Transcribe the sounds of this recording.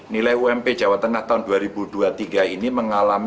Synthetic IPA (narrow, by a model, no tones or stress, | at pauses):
nilajuɛmped̥d͡ʒ̥a̤wat̪ːəŋaht̪aʊnduaɾib̥ud̪̥uat̪iɡainiməŋalam